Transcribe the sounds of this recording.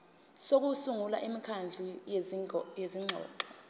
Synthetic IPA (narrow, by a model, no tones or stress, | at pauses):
sok̬usuŋulaʔimikʰand͡ɮʱujezijeziŋ͡ǀʱɔ̰ːǃɔ